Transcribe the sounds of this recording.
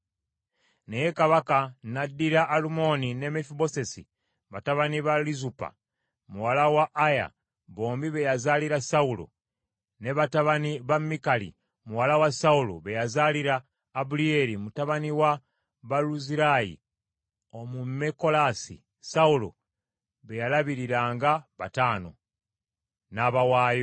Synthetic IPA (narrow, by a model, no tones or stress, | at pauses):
nejekaβakanadiɾaʔːlumo̞nine̞mefibo̞sesḭ | βataβaniβalizupa̰ | muwalawaʔːja̰ | βo̞ːmbiβejazaliɾasaulo̰ | ne̞βataβaniβamːikalḭ | muwalawasaulo̰βejazaliɾaː | bulie̞ɾimutaβaniwa | βaluziɾajḭ | o̞mumeko̞lasḭ | saulo̰ | βe̞jalaβiɾiɾaːŋɡaβataːno̞̰ | naβawaːjo